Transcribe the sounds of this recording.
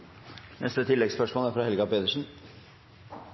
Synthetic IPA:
nʔɛ̰st̪ət̪ʰɪlːɛɡspœʂmoːləæɾfɾɑhɛlɡɑpeːd̪əʂn̩

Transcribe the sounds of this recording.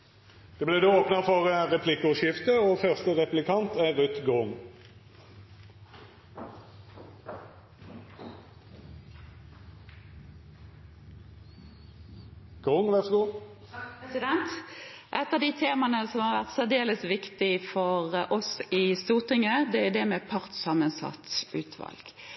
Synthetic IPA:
d̪̥ɛːblɛːd̪eoːpnəfɔʁʁɛpʰlɪkːʊʃɪft̪əoːfœʁst̪əʁɛplɪkʰɑnt̪æʁʉt̪ɡʊŋ | ɡ̥ʁʊŋʋæʁsɡuː | sɪd̪ɛnt̪ʔɛt̪ːɑd̪it̪ʰeːmɑnəsɔmhɑʁʋæʁt̪sæd̪eːləsʋɪkt̪ɪfɔʁʔɔsɪst̪uːʁt̪ɪŋəd̪ɛæd̪ɛmɛpʰɑʁt̪sɑmənsɑ̰t̪ʉːt̪ʰʋɑ̰lɡ̥

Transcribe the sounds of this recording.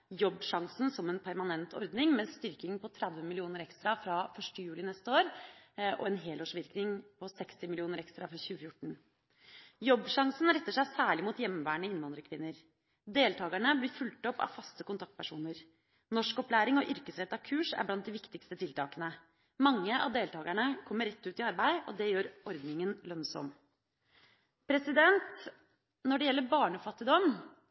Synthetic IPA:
jɔbːʂɑŋsn̩sɔmɛnpʰæɾmɑnɛnt̪ʰɔ̰ɾd̪nɪŋmɛst̪ʏɾkɪŋpɔt̪ʰɾæd̪ʋənmɪlɪuːnəɾɛkst̪ɾɑfɾɑfœʂʈəjʉːlɪnɛst̪əoːɾʔɔ̰ɛnɦeːloːʂʋɪɾknɪŋpʰɔsɛkst̪ɪmɪlɪuːnəɾɛkst̪ɾɑfɾɑçʉːəfjʊʈɳ̩ | jɔbːʂɑŋsn̩ɾɛt̪ːəʂæɪsæːɭɪmuːt̪jɛmːʋæːɳəɪnːʋɑnd̪ɾəkʰʋɪnːəɾ | d̪eːlt̪ʰɑːɡəɳəblɪɾfʉlt̪ɔpːɑ̰ʋfɑst̪əkʊnt̪ʰɑkt̪pʰæʂuːnəɾ | nɔʂkɔplæːɾɪŋɔʔʏɾkəsɾɛt̪ːɑkʰʉːʂæ̰ɾblɑnt̪̚d̪ɪʋɪkt̪ɪkst̪ət̪ʰɪlt̪ʰɑ̰ːkənə | mɑŋːəʔɑ̰ʋd̪eːlt̪ʰɑːɡəɳəkʰɔmːəɾɛt̪ːʉːt̪ɪɑɾbæɪɔ̰d̪ɛjøːɾɔɾd̪nɪŋənlœnsɔ̰m | pʰɾɛsɪd̪ɛnt̪ | nɔɖɛjɛlːəɾbɑːɳɔfɑt̪ːɪd̪ɔm

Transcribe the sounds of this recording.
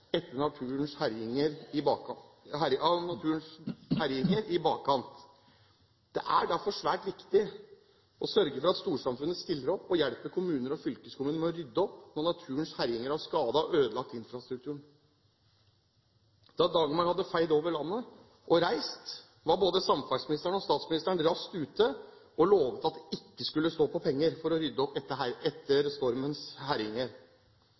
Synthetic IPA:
ɛt̪ːənɑʉːnshæɾɪŋəɾɪ | ɑnɑt̪ʰʉːənshæɾjɪŋəɾɪbɑːkkʰɑnt̪ | d̪̥ɛʔæɖæɾfɔʂʋæːʈʋɪkt̪ɪ | ɔsœɾɡəfɔɾɑt̪st̪uːʂɑmfʉnːəst̪ɪlːəɾɔpːɔjɛlpəkʰʊmʉːnəɾɔfʏlkəskʊmʉːnəmɛɔɾʏd̪ːəɔpːnɔɳɑt̪ʰʉːənshæɾjɪŋəɾɑʋskɑːd̪əɔʔøːd̪əlɑkt̪ɪnfɾɑst̪ɾʉk̚t̪ʰʉːɳ | d̪̥ɑd̪ɑːɡəmɑhɑd̪ːəfæɪd̪oːʋəɭɑnːə | ʔɔɾæɪst̪ | ʋɑɾboːd̪əsɑmfɑʂsmɪnɪst̪ɾəɳɔst̪ɑːt̪smɪnɪst̪əɳɾɑst̪ʉːt̪əʔɔloːʋət̪ɑt̪̚d̪ɛɪkːəskʉlːəst̪oːpʰɔpʰɛŋːəɾfɔɾɔɾʏd̪ːəɔpɛəæɛt̪ːəɾst̪ɔɾmənshæɾɪŋəɾ

